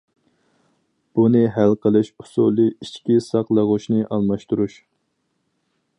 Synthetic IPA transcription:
b̥unɨɦælqʰəlˠɨʃu̥sulˠɨit͡ʃkʲisɑqlˠɑʁʊʃnɨʔɑlˠmɑʃt̪uɾuʃ

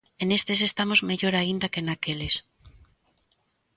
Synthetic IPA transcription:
enest̪es̬est̪amozmeʎoɾaind̪ɐkenakeles

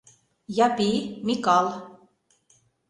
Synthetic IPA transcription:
jɑpimikɑlˠ

